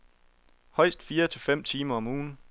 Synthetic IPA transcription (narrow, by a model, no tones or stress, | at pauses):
hɒ̽ɪ̰sd̥fiːɐt͡sʰe̝fem̰t͡sʰiːmɐɒ̽muːn̩